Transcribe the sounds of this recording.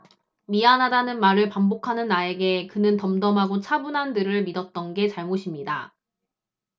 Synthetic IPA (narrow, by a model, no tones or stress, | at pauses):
mianadanɯnmaɾɯɭpambokʰanɯnːae̞ɡe̞kɯnɯntʌmdʌmɦaɡot͡ɕʰabunɦandɯɾɯɭmidʌt̚t͈ʌnɡe̞t͡ɕaɭmoɕʰimɲida̰